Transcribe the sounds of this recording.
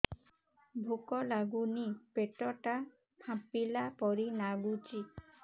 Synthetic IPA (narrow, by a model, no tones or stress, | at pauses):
bʱukɔlaɡunipeʈɔʈa | pʰãpilapɔɾinaɡut͡ʃi